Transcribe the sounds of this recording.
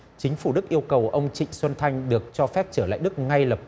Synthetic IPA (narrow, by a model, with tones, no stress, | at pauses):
t͡ɕï˨˦ŋ̟fu˧˩ɗɨ˦˥k̚ʔi˧əwkə˨˩wʔə˧wŋ͡mt͡ɕḭ˧˨ŋ̟swə˧nt̪ʰa˧jŋ̟ɗɨ˨˩ək̚t͡ɕɔ˧fɛ˦˥p̚t͡ɕəː˧˩la̰ː˧˨jɗɨ˦˥k̚ŋa˧jlə˨˩p̚